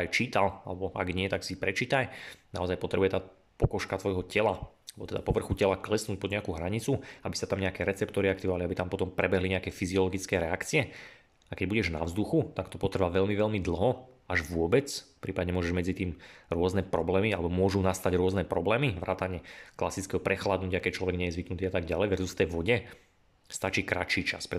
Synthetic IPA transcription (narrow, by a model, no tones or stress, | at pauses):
ajt͡ʃiːt̪ala̰lɛbɔa̰ɡɲɪɛt̪aksipɾɛt͡ʃiːt̪ajna̰ɔzajpɔt̪ɾɛbujɛt̪aː | pɔkɔʃkat̪ʋɔjɦɔcɛlaalɛbɔt̪ɛd̪apɔʋr̩xucɛlaklɛsnuːc̚pɔd̪ɲɛakuɦɾaɲit͡suabisat̪amɲɛakɛːɾɛt͡sɛpt̪ɔɾiakt̪iʋɔʋaliabit̪ampɔt̪ɔmpɾɛbɛɦliɲɛakɛːfiziɔlɔɡit͡skɛːɾɛakt͡siɛ | akɛɟbuɟɛʒna̰ʊzd̪uxut̪akt̪ɔpɔt̪r̩ʋaːʋɛʎmiʋɛʎmid̪l̩ˠɦɔaʒʋʊɔbɛt͡sfpɾiːpadɲɛmʊɔʒɛʒmɛd͡zit̪iːmɾʊɔznɛpɾɔblɛːmialɛbɔmʊɔʒunast̪aɟɾʊɔznɛpɾɔblɛːmiʋɾa̰ːt̪aɲɛklasit͡skɛɦɔpɾɛxlad̪nucɪakɛc̚t͡ʃlɔʋɛɡɲɛjɛzʋiknut̪iːat̪aɡɟalɛjʋɛɾzust̪ɛjʋɔɟɛ | st̪at͡ʃiːkɾat͡ʃiːt͡ʃa̰spɾɛ